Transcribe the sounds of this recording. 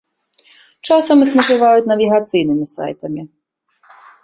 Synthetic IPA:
t͡ʃɑsɔmixnɐzɪʋɑjʊt̚ʲnɐʋʲiɦɐt̪sɨjnɪmʲisɑ̰jt̪ɐmʲi

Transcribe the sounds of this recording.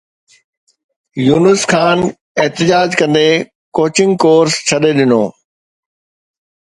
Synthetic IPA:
juːnəskʰaːn | eɦt̪ɪd͡ʑaːd͡ʑkɐ̃nd̪e | koːt͡ɕɪ̃ŋɡ̚koːɾst͡ɕʰɐɗeɗɪnoː

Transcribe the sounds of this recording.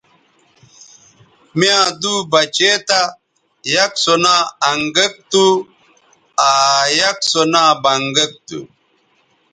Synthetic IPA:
mjãd̪ubɐt͡ɕet̪a | jɐksonaɐŋɡɐk̚t̪u | ajɐksonabɐŋɡɐk̚t̪ṵ

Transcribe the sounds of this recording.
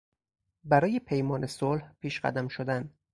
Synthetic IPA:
bæɾɒːje̞pʰe̞jmɒːne̞solhpʰiːʃɢæ̰d̪æmʃod̪æn

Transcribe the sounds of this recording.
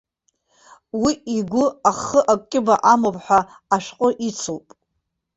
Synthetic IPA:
wiiɡʷʊaχəʔakʷʼkʲʼɪbaʔamopʼħʷᶣaː | ʃqʼʊʔit͡sʰowpʼ

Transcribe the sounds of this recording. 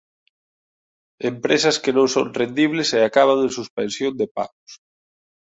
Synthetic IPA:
empɾesɐskenõŋso̰ŋrend̪iβ̞leseakaβ̞aŋẽŋsuspẽnsjond̪epa̰ɣʊs

